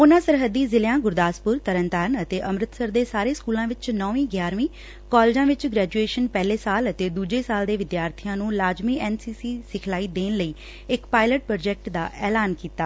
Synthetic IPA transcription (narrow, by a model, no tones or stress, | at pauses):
ʊnãːsəɾɦəd̪iːzɪljãːɡʊɾd̪aːspʊɾt̪əɾənt̪aːɾnət̪eːʔəmɾɪt̪səɾd̪eːsaːɾeːskuːlãːʋɪt͡ʃnɔːʋĩːɡjaːɾmĩː | kɔːlːd͡ʒãːʋɪt͡ʃɡɾɛːd͡ʒueːʃənpɛːleːsaːlət̪eːd̪uːd͡ʒeːsaːld̪eːʋɪd̪jaːɾt̪ʰijãːnũːlaːd͡ʒmiːɛːnsiːsiːsɪkʰlaːiːd̪eːnləiː | ɪkpaːɪləʈ̚pɾoːd͡ʒɛːk̚ʈd̪a̰ːʔɛːlaːnkiːt̪aː